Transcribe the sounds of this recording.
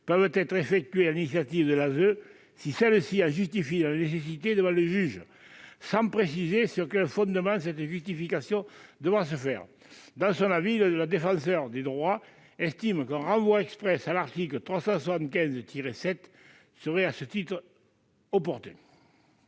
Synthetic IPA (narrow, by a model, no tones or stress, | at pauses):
pœvət̪ɛt̪χefɛk̚t̪ɥealinisjat̪ivəd̪əlazø | sisɛləsiɑ̃ʒyst̪ifilaanes̬esit̪ed̪əvɑ̃ləʒyʒ | sɑ̃pχesizesyʁkɛlfɔ̃nd̪əmɑ̃s̬ɛt̪ʒyst̪ifikasjɔ̃d̪əvʁas̬əfɛʁə | d̪ɑ̃sɔ̃navilələd̪efɑ̃sœʁd̪ed̪ʁwa | ɛst̪iməkɛ̃ʁɑ̃vwaɛkspχɛsalaʁt̪iklət̪χwasɑ̃swasɑ̃nt̪̚kʲɛ̃zt̪ʰiʁesɛt̪ | səʁɛasət̪it̪χə | ɔpɔʁt̪ɛ̃